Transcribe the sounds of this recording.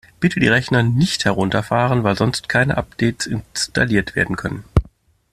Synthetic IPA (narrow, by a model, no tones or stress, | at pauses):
b̥ɪtʰədḭːʁɛçnɐnɪçthɛʁʊntɐfaːʁənvaɪlzɔnstkʰaɪnə̰ʔapd̥ɛɪtsɪnsta̰liːɐtv̥ḛːɐdn̩kʰœnən